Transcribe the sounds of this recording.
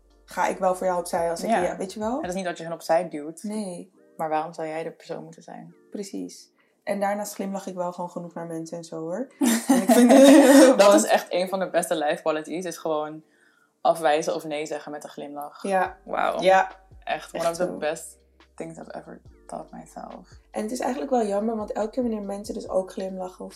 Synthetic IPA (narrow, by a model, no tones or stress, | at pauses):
χa̰ːʔɪ̰kʋɛlˠfʊːɹjawɔpsɛjɑlˠsɪaaʋejtəʋɛlˠtɪsnitʋɑtjəɦənɔpsɛjdultnej | maːɹʋaːrɔmzɑwjɛjdəpə̥ɹso̰ːnmutənzɛ̰jn | prəsḭs | ʔɛndaːɹnaːsχlɪmlɑχɪkʋɛlˠχəʋownχənuχnaːɹmɛnsəɛnzoːɦʊɹɛnɪk | dɔtɪsɛχtejnvɑndəbɛstəlɛjfkwɔlətisɪsχəʋown | ʔɑfʋɛjzəɔfnejzɛχənmɛtəχlɪmlɑχwa̰wʔɛ̰χtwɔnsəbɛst | tɪ̃ŋsɔ̰fɛ̰və̰˞tʰɔ̰tmɛ̰jzɛ̰lˠfʔɛnətɪsɛ̰jxχənləkʋɛlˠjɑməɹʋɑntɛlˠk̚kːɪːɹʋɑnɪːɹmɛnsədɵso̰wkχlɪmlɑχəɔf